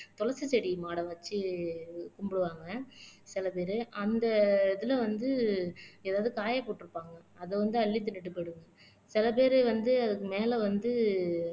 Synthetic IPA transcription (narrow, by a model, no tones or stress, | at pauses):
t̪ɔlɐsɐsɛɽimaːɽɐ̃ʋɐt͡ʃːɯ | kʊmbɯɽɯʋaːŋɡɐsɪlɐpeːɾɯʔɐnd̪ɐðɪlɐʋɐnd̪ɯeːðaːʋðɯkaːjɐpoːʈːɪɾɯpːaːŋɡɐɐðɯʋɐnd̪ɯɐɭːit̪ːɯnɪʈ̬ːɯpeɽɯŋɡɐ | sɪlɐp̬eːɾɯʋɐnd̪ɯɐðɯkːɯmeːlɐʋɐnd̪ɯ